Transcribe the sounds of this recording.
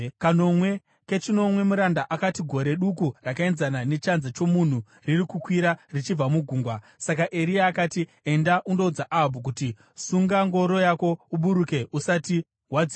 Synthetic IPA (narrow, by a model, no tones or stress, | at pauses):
kano̞mwe̞ | ke̞t͡ʃino̞mwe̞muɾandaʔakatiɡʱo̞ɾe̞ɗukurakae̞nzanane̞t͡ʃanzat͡ʃo̞mun̤u | ririkukwiɾarit͡ʃib͡vamuɡʱuːŋɡwa | sakaʔe̞ɾiaːkati | endaʔundo̞ud͡zaʔabʱuk̬uti | suŋɡaŋɡo̞ɾo̞jako̞uɓuɾuke̞usati | ɦwad͡zi